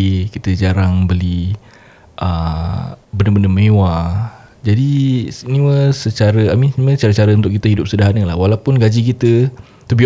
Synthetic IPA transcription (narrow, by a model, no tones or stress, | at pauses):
ikit̪əd͡ʒaɾaŋbəli | ʔə | bəndəbəndəmewa | d͡ʒadisniwəsət͡ʃaɾəamimsə̥t͡ʃaɾət͡ʃaɾəunt̪ʊʔkit̪əidʊp̚sədaɦanəlahwalaupʊnɡad͡ʒik̬it̪ə | t̪ubi